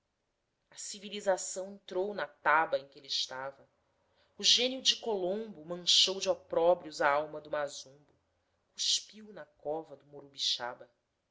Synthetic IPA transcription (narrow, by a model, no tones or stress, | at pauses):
ɐsivilizasɐ̃w̃ẽnt̪ɾownɐt̪abɐẽkʲɪeliɪʃt̪avɐ | uʒẽniʊd͡ʒɪkolõmbʊmɐ̃ŋʃowd͡ʒɪɔpɾɔbɾiʊzɐawmɐd̪ʊmazũbʊ | kuʃpiwnɐkɔvɐd̪ʊmoɾubiʃa̰bɐ